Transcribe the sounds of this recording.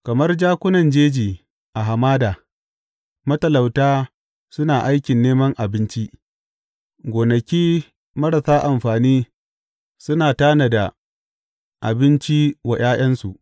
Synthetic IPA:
kɐ˨mɐ˦rd͡ʒaː˦kʷʊ˦nɐ˨nd͡ʒeː˦d͡ʒiː˨ | ʔa˨ɦa˨maː˦daː˨ | mɐ˦tɐ˨la˨wtaː˦ | sʊ˦naː˨ʔa˦jkʲɪ˨nːeː˦mɐ˦ŋʔa˨bɪ˦nt͡ʃi˦ʔ | ɡʷoː˨nɐ˨kʲiː˦ | mɐ˦ɽɐ˨saː˦ʔa˨mɸaː˨niː˦ | sʊ˦naː˨taː˦nɐ˨da˨ | ʔa̰˨bɪ˦nt͡ʃi˦wa˨j̰ʔaː˦j̰ɐ˦nsu˨ʔ

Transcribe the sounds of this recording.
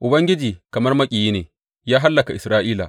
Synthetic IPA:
ʔʊ˨bɐ˦ŋɡʲɪ˦d͡ʒiː˨kɐ˨mɐ˦rmɐ˦kʲʼiː˨jiː˦neː˨ | jaː˦ɦa˦lːɐ˨ka˨ʔɪ˨sɾaː˦ʔiː˦la̰ː˨

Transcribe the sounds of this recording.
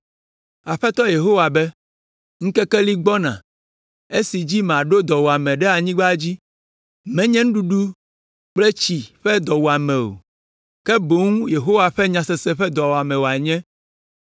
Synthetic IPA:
a˨ɸɛ˦t̪ɔ˦je˨ɦo˦wa˨bɛ˦ | ŋ̩̃˦kɛ˦kɛ˦li˦ɡ͡bɔ˦nã̰˨ | e˦si˨d͡ʑi˦m˨a˨ɖo˦d̪ɔ˨wo˨a˨mɛ̃˨ɖɛ˦a˨ɲĩ˦ɡ͡ba˦d͡ʑi˦ | mɛ̃˦ɲɛ̃˦ŋ̩˦ɖu˦ɖu˦ | k͡plɛ˦t͡ɕi˨ɸɛ˦d̪ɔ˨wo˨a˨mɛ̃˨o̰˨ | kɛ˦bo˦ŋũ˦je˨ɦo˦wa˨ɸɛ˦ɲã˨sɛ˨sɛ˦ɸɛ˦d̪ɔ˨wo˨a˨mɛ̃˨wo˨a˨ɲɛ̃˦

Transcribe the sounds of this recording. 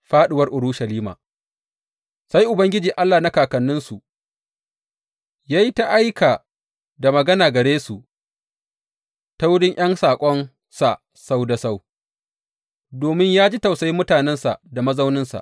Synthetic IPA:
ɸaː˦ɗɪ˨wɐ˦rʔʊ˨ɽuː˦ʃɐ˨liː˦ma̰ː˨ | sa˦jʔʊ˨bɐ˦ŋɡʲɪ˦d͡ʒiː˨ʔa˦lːaː˨na˦kaː˨kɐ˨nːɪ˦nsu˨ | jaː˦ji˦ta˦ʔa˦jkʰaː˨ | da˨mɐ˨ɡɐ˦naː˨ɡɐ˨ɽeː˦su˨ʔ | ta˦wʊ˦ɽɪ˦ŋʔj̰ɐ˦nsaː˨kʷʼɔ˦n | sa˨ʔ | sa˦wda˨sa˦w | doː˨mɪ˦ɲjaː˦d͡ʒi˦ta˨wsa˦ji˦mʊ˦taː˨nɛ˦nsa˨da˨mɐ˦za˦wnɪ˦nsa̰˨ʔ

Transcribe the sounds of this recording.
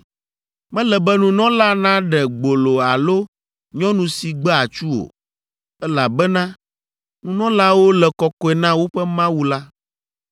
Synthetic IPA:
mɛ̃˦lɛ˨bɛ˦nũ˨nɔ̃˦la˦nã˦ɖɛ˨ɡ͡bo˨lo˨a˨lo˦ | ɲɔ̃˦nũ˨si˨ɡ͡bɛ˦a˨t͡ʃu˦o̰˨ | ɛ˦la˨bɛ˦nã˦ | nũ˨nɔ̃˦la˦wo˦lɛ˨kɔ˨kɔ˦ɛ˨nã˦wo˦ɸɛ˦mã˦wu˦la˦

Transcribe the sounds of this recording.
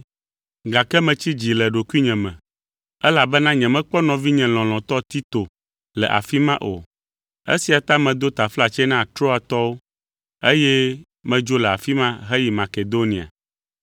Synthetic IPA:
ɡa˨kɛ˦mɛ̃˨t͡ɕi˦d͡ʑi˨lɛ˨ɖo˨ku˦i˦ɲɛ̃˨mɛ̃˨ | ɛ˦la˨bɛ˦nã˦ɲɛ̃˨mɛ̃˦k͡pɔ˦nɔ̃˨vi˦ɲɛ̃˨l̃ɔ̃˨l̃ɔ̃˨t̪ɔ˦t̪i˦t̪o˨ | lɛ˨ʔa̰˨fi˦mã˦ʔo̰˨ | ḛ˦si˨a˨t̪a˦mɛ̃˨d̪o˦t̪a˨fla˨t͡ʃɛ˦nã˦a˨t̪ɾɔ˦a˨t̪ɔ˦wo˦ | e˦jɛ˦ | mɛ̃˦d͡ʒo˦lɛ˨a˨fi˦mã˦ɦɛ˦ji˨ma˨ke˨d̪o˦nĩ˨a̰˨

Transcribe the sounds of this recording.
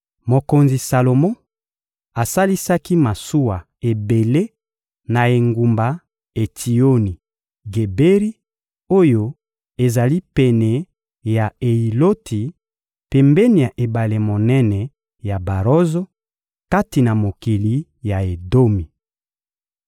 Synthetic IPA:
mo˨ko˨nzi˨sa˨lo˨mɔ̃˦ | a˨sa˦li˦sa˦ki˦ma˨su˦wa˨ | e˨be˨le˦ | na˨e˨ŋɡu˨mba˨ | e˨tʰi˨o˦ni˨ | ɡe˨be˦ʁi˦ | o˦jo˦ | e˨za˨li˦pɛ˨nɛ˨ | ja˨e˨i˨lo˦tʰi˨ | pe˨mbɛ˦ni˨ja˨ʔe˨ba˨le˨mo˨nɛ˦nɛ˨ | ja˨ba˨ʁo˦zo˦ | ka˦ti˨na˨mo˨ki˨li˨˦ | ja˨e˨do˦mi˨

